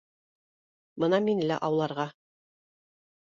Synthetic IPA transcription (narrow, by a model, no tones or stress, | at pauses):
bɤnɑminɘ̆læ̰ʔɑwlˠɑɾʁɑ